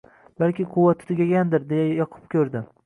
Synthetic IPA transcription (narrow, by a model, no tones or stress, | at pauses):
balkʲɪqʰʊwat̪ːʰʊ̥t̪ʰɪɡʲaɡʲand̪ɪɾd̪ejajɒqʰɨ̥p̚kʲʰɵɾd̪ɪ